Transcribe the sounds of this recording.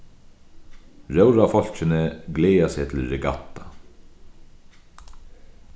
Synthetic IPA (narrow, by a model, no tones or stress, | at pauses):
ɾœwɾafɔl̥t͡ɕɪnɪɡleːjasɛːt̪ʰɪlɾɪɡa̰t̪ːa